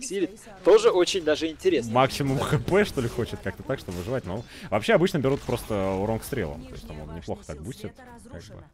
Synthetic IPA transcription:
ksʲilʲɪt̪ | t̪o̞ʐɨot͡ɕɪnʲd̪aʐɨɪnʲtʲɪɾʲesmaksʲɪmʊmxɨpɛʂt̪o̞lʲɪxo̞t͡ɕɪt̪̚kak̚t̪ət̪akʂt̪obəvɨʐɨvatʲno | vɐpɕːeɐbɨt͡ɕnəbʲɪɾut̪pɾo̞st̪əʊɾonkst̪ɾʲelˠə̰mp̪o̰sʲt̪əmo̰nnʲɪplˠo̞xə̥t̪ak̚busʲɪt̪̚ | ka̰ɡ̚bɨ̰

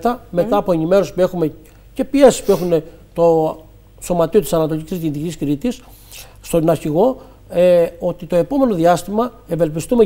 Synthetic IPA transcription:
t̪ɐme̞t̪ɐːpo̞enime̞ɾo̞si̥pue̞xume̞ | ce̞pie̞si̥spue̞xune̞ | t̪o̞ | so̞mɐt̪io̞t̪isɐnɐt̪oʎʲicizðit̪icciskɾit̪isː | t̪onɐɾçiɣo̞ | eo̞t̪it̪o̞e̞po̞me̞no̞ðiɐst̪imɐ | eve̞lpist̪ume

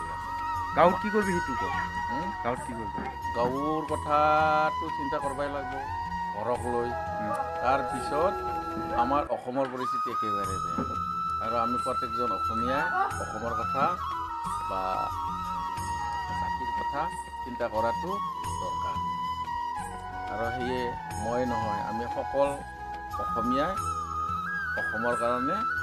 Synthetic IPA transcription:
ɡ̥awtkikoɹbiɦetukɔ̰ | ɡawtkikoɹbi | ɡawɹkɔtʰatʊsintakɔɹbajlaɡ̚bɔ | ɡʱɔɹɔkloj | taɹpisɔt | amaɹʔɔxɔmɔɹpɔɹisitɛkɛbaɾɛza̰ | aɹɔamipɹɔtɛkzɔnɔxʰɔmijaɔxɔmɔɹkɔtʰa | ba̰ | astut̚kɔtʰa | kintakɔɹatʊdɔ̰ka̰n | a̰ɹɔɦejɛ | mɔjnɔɦɔja̰mixɔkɔl | ɔxɔmijaj | ɔxɔmɔɹkaɹɔnɛ

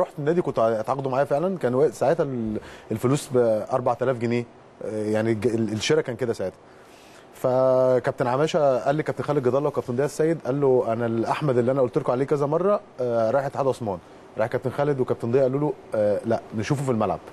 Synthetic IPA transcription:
ɾoːħt̪enːæːd̪ikont̪t̪ʕɑqɑd̪umaʕaːjæfeʕlænkæːnwæd̪saʕeːt̪ælelfoluːsbʔɑɾˤbaʕt̪ælæːfɡeneː | jaʕniɡelʃeɾækæːnked̪æsaʕeːt̪hæ̥ | fækæbt̪enʕamæːʃæʔælːikæb̚t̪enxæled̪̚ɡɑd̪ɑlːɑwekæb̚t̪end̪ˤejsːæːjːed̪ʔælːoʔænælʔaħmæd̪elːiʔænæʔolt̪olkoʕaleːkæzæmɑrˤːɑɾˤɑjħʔet̪ʕad̪ʔɑsˤmɑːn | ɾˤɑjeħkæbt̪enxæled̪wekæb̚t̪end̪ejːæʔælːuːlulæʔneʃuːfofilmælʕa̰b̥

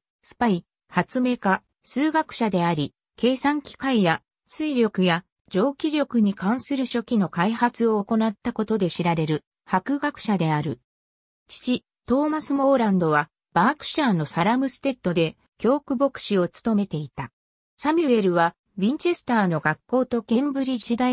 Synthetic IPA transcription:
sɨ̥pai | hat͡sɨme̞ka | sɨːɡakɯ̟̥ɕad̪e̞aɾʲi | ke̞ːsãŋkʲi̥kaija | sɨiɾʲo̞kɯ̟ja | d͡ʑo̞ːkʲiɾʲo̞kɯ̟ɲ̟ikãɰ̃sɨɾɯ̟ɕo̞kʲino̞kaihat͡sɨo̞ːko̞nat̪ːako̞t̪o̞d̪e̞ɕiɾaɾe̞ɾɯ̟ | hakɯ̟ɡakɯ̟̥ɕad̪e̞aɾɯ̟ | t͡ɕi̥t͡ɕi | t̪o̞ːmasɨmo̞ːɾãnd̪o̞βa | b̥aːkɯ̥ɕaːno̞saɾamɯ̟sɨ̥t̪e̞t̪ːo̞d̪e̞ | kʲo̞ːkɯ̟bo̞kɯ̟̥ɕio̞t͡sɨ̥t̪o̞me̞t̪e̞it̪a | samʲie̞ɾɯ̟βa | βʲĩɲ̟t͡ɕe̞sɨ̥t̪aːno̞ɡakːo̞ːt̪o̞kẽ̞mbɯ̟ɾʲid͡ʑid̪a

